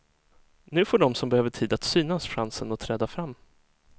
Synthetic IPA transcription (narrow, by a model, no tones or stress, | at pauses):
nʉ̟ːfoɖɔmsɔmbɛhøːvəʈʰiːd̪at̪syːnasɧansənɔt̪ʰɾɛːd̪afɾamː